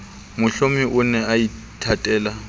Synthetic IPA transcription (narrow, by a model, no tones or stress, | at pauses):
mʊɬomɪʔʊnɛai | tʰatʼɛːla